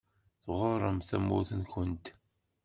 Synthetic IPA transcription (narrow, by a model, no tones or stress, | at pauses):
θʁʊrˤːəmθæmːuθənçənt̪